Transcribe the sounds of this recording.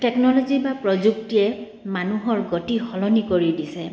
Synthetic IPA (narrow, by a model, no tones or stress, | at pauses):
tɛknɔlɔzibapɹɔzuk̚tiɛ | manuɦɔɹɡotixɔlɔnikoɹidisɛ